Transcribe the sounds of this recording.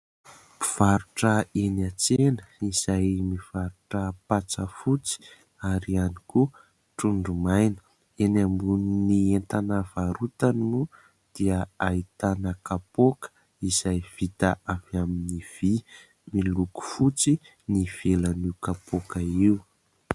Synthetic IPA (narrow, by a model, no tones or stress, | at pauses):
mi̥v̥aɾuʈ͡ʂəenat͡senəiz̥ajmiv̥aɾuʈ͡ʂəpat͡səfut͡si̥ | aɾianiku | ʈ͡ʂuɳɖ͡ʐumajnə̥ | enambuninient̪anəv̥aɾut̪annu | d̪̥iəait̪anəkapokə̥ | iz̥ajv̥it̪aavaminiv̥i | miluku̥fut͡si | niv̥elaniwkapokəiu